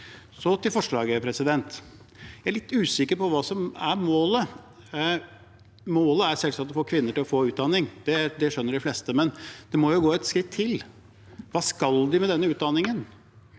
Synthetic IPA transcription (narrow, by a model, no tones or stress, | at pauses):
sɔt̪ɪlfɔʂɭɑːɡəpʰɾɛsɪd̪ɛnt̪ | jææɭɪt̪ːʉːsɪkːəɾpɔʋɑːsɔmæɾmoːlə | moːləæɾsɛlsɑt̪ːɔfoːɾkʰʋɪnːəʈɪlɔfoːʉːt̪̚d̪ɑnːɪŋd̪̥ɛd̪ɛʂœnːəɖɪflɛːst̪əmɛnd̪̥ɛmɔjʊɡoːɛt̪skɾɪt̪ʰːɪl | ʋɑːskɑld̪ɪmɛd̪ɛnːəʉːt̪̚d̪ɑnːɪŋən